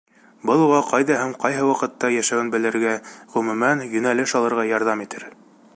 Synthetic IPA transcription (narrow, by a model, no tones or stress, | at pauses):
bɤlˠuʁɑqɑjðɑɦæmqɑjɦɤwɑqɤ̆t̪ːɑjæʃæɡɘnbɘ̆lɘ̆ɾɡæʁɵ̆mʉmænjɵ̆nælɘʃɑlˠɤ̆ɾʁɑjɑɾðɑmit̪ɘɾ